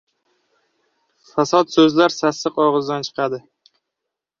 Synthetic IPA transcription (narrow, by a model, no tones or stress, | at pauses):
fasɒt̪sɵzlaɾsasɨqɒʁɨzd̪ant͡ʃʰɨ̥qʰɑd̪ɪ